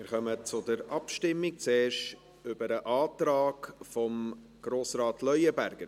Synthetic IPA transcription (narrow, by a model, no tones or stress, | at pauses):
mɪɾχœmət͡sʊdəɾɑpʃtɪmːɪk̚t͡seːʃ | ʏbəɾəʔɑːtɾɑːɡfɔm | ɡ̥ɾoːsɾaɑːtʰlœʏəbæɾɡ̥əɾ